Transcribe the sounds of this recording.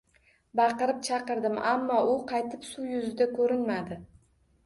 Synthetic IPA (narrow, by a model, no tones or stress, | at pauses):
bɑqɨɾɪp̚t͡ʃʰɑqɨɾd̪ɪmamːɒʔʊqʰɑjt̪ʰɪpsujʊzɪd̪akʰɵɾɪnmad̪ɪ